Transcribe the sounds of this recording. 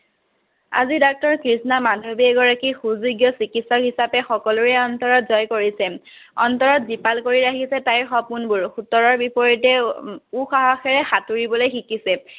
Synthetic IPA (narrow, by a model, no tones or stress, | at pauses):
a̰zidɔk̚tɔɹkɹisnamadʱobiɛɡɔɹakixuzuɡjɔsikitsɔkhisapɛxɔkɔluɛɔntɔɹɔtzɔjkoɹisɛ | ɔntɔɹɔtzipalkoɹiɹaxisɛtajɹxɔpunbʊɹxutɔɹɔɹbipɔɹitɛuxaɦaxɛɹɛxatuɹibɔlojxikisɛ